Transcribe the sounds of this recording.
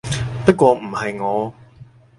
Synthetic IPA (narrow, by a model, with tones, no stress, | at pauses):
pɐ˥t̚kʷwɔː˧m̩˨˩hɐ˨jŋɔː˨˧